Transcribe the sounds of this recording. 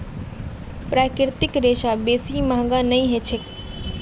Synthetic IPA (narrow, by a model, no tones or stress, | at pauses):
pɾaːkɪɾt̪ɪkɾeːʃabeːsimãɦɡãnɐĩɦet͡ʃʰek